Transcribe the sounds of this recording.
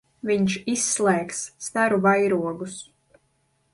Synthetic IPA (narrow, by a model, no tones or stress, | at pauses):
viɲʃisːlˠɛːksːt̪aɾuvajɾuɔɡus